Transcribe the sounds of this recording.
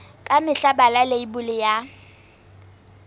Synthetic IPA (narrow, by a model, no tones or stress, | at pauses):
kʼamɪɬabalaleibʊlɪja